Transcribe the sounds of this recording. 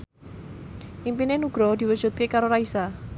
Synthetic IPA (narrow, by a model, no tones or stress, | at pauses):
ʔimpinenuɡ̥ɾɔd̪̥i̤wəd̥ʒ̥ṳd̪̚kekaɾoɾaisa